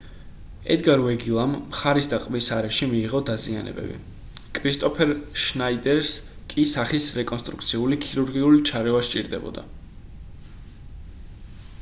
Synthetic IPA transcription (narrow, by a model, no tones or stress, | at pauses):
ɛ̰d̪ɡaɾwɛɡilˠamːχaɾisd̪aqʼmisaɾɛʃimiːʁɔd̪azia̰nɛ̰bɛ̰bḭ | kʼɾist̪ʼɔpʰɛɾʃnaid̪ɛɾskʼisaχisɾɛkʼɔnst̪ʼɾṵk̚ʰt̪sʰiulikʰiɾuɾɡiulit͡ʃʰaɾɛvaʃt͡ʃʼḭɾd̪ɛbɔ̰d̪a̰